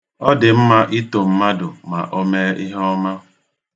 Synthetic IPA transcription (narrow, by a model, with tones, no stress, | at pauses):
ɔ˦dɪ˨m̩˦ma˦ʔi˦to˨m̩˦ma˦dʊ˨ma˨ʔo˦me˦i˦ɦɔ˦ma˦